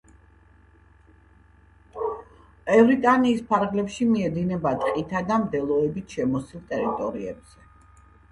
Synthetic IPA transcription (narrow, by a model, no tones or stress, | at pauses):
ɛvɾit̪ʼaniːspʰaɾʁlɛpʃimiɛd̪inɛbat̪ʼqʼit̪ʰad̪amd̪ɛlˠɔɛbit̪ʰʃɛmɔsilˠt̪ʼɛɾit̪ʼɔɾiɛ̰bz̥ɛ